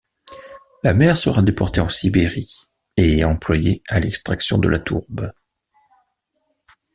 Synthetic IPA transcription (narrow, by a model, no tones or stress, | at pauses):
lamɛʁsəʁad̪epɔʁt̪eɑ̃sibeʁi | eɑ̃plwajealɛkst̪χaksjɔ̃d̪ə̰lʔat̪ʰṵʁb